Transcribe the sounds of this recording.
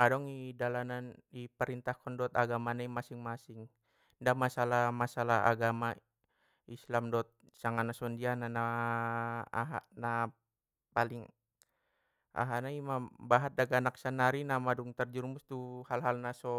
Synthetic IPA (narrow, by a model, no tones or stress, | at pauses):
adɔŋidalananipəɾint̪ahkɔndɔt̪aɡamanaimasiŋmasiŋ | ndamasalamasalaɦa̰ɡama | islamdɔt̪̚ | saŋanasɔndianana | a̰ɦa̰na | paliŋ | a̰ɦanaimabaɦat̪̚daɡanaksanaɾinamaduŋt̪ərd͡ʒurmust̪uhalɦalnasɔ